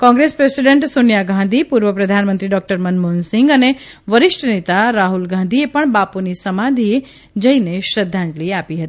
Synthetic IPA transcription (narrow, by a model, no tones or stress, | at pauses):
kɔ̃ŋɡɾespɾesiɖẽɳʈsonjaɡʱãnd̪ʱipuɾʋəpɾəd̪ʱanmənt̪ɾiɖɔk̚ʈəɾmənmonsɪŋɡəne | ʋəɾɪʃʈənet̪aɾaɦulɡʱãnd̪ʱiepəɳbapunisəmad̪ʱi | d͡ʒəineʃɾəd̪ʱːãnd͡ʒliapiɦət̪i